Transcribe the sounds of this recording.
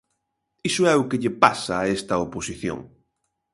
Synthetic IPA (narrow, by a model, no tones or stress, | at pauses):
isoɛʊkeʎepasɐːest̪ɐoposiθjõ̰ŋ